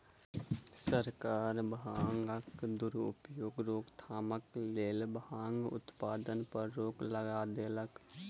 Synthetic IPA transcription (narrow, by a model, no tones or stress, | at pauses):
səɾkaːɾbaːŋɡəkd̪ʊɾʊ̰pjoːɡɾoːɡt̪ʰaːməkleːlbaːŋɡʊ̰t̪paːd̪ənpəɾːoːɡləɡaːd̪eːlək